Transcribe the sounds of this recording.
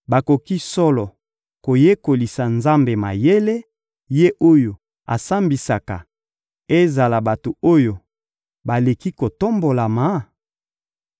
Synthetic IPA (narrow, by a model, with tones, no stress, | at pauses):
ba˨ko˨ki˦sɔ˦lɔ˨ | ko˨je˦ko˨li˨sa˨nza˦mbe˨ma̰˨je˦le˦ | je˦ʔo˦jo˨ | a̰˨sa˦mbi˨sa˨ka˨ | e˦za˨la˨ba˨to˨o˦jo˨ | ba˨le˨ki˦ko˨to˦mbo˨la˨ma˨˦